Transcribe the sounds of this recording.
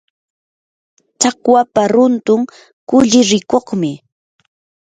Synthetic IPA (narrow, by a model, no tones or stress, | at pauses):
t͡ʃakwapaɾʊnt̪ʊŋ | kʊʎɪɾɪkoχmɪ